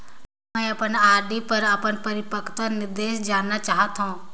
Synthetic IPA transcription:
mɛ̃ːɐpənaːɾɖipɐɾəpəɳpɐɾɪpəkʰt̪ənɪɾd̪eːʃd͡ʒaːnːat͡ʃaːɦət̪ɦõː

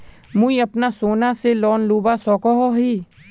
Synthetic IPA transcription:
mũiɐpnasoːnaselɔːnluːbasɔːkɔɦoɦiː

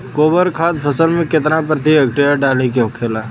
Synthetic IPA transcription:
koːbəɾkʰaːd̪pʰəsəlmẽkɪt̪napɾət̪iɛkʈeaɖaːlikeõkʰeːlaː

